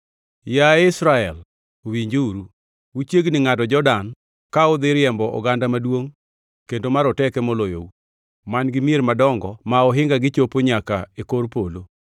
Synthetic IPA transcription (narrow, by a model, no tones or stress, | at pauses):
jaɪsɾaɛl | owiɲd͡ʒuɾu | wut͡ʃjeɡnɪŋatɔd͡ʒɔdan | kaʊd̪ɪɾjɛmbɔʔɔ̰ɡandamadwoŋ | kendomaɾɔtɛkɛmɔlojo̰u | manɡɪmjeɾmadɔŋɡɔmaɔɦɪŋɡaɡɪt͡ʃopoɲakaekoɾpolo